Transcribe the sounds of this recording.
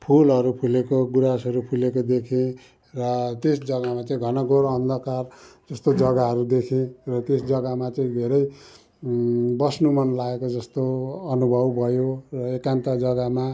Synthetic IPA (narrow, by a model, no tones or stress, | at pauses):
pʰulʌɾupʰulekoɡuɾasʌɾupʰulekod̪ekʰẽ | rʌt̪esd͡zʌɡamat͡saĩɡʱʌnʌɡoɾʌnd̪ʱʌkard͡zʌst̪od͡zʌɡaɦʌɾud̪ekʰẽrʌt̪esd͡zʌɡamat͡sʌĩd̪ʱeɾʌj | bʌsnumʌnlaekod͡zʌst̪oʌnubʱʌbbʱʌjorʌekant̪ad͡zʌɡama